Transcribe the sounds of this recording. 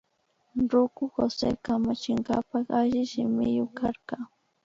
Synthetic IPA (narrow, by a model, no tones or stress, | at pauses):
ɾʊkʊxo̰sḛːkamat͡ʃɪɴɢɑpɑχaʒɪʃɪmɪjʊkaɾkɑ